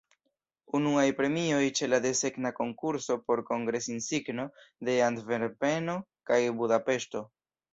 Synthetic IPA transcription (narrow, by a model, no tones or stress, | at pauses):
unuajpɾe̞mio̞jt͡ʃe̞lad̪e̞se̞knako̞ŋkuɾso̞po̞ɾko̞ŋɡɾe̞sinsiɡno̞de̞andve̞ɾpe̞no̞kajbudape̞ʃto̞